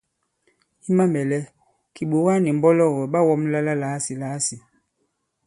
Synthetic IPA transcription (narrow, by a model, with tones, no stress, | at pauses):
i˦ma˦mɛ˨lɛ˦ | ki˨ɓo˨wa˦ni˨m̩˦bɔ˦lɔ˦˨ɣɔ˨ɓa˦wɔ˦mla˦la˦la˨˦si˨la˨˦si˨